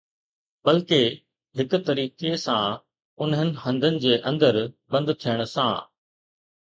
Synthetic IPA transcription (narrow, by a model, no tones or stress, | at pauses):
bɐlke | ɦɪkʊ̆t̪ɐɾiːkesã | ʊnɦənɪ̆ɦɐ̃nd̪ʱənɪ̆d͡ʑeːʔɐ̃nd̪əɾbɐ̃nd̪t̪ʰijəɽ̃ʊ̆sã̰ː